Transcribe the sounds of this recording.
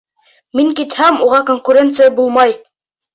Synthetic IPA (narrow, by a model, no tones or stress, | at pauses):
miŋkit̪hæmuʁɑkoŋkuɾʲe̞nt̪sɨjabulˠmɑj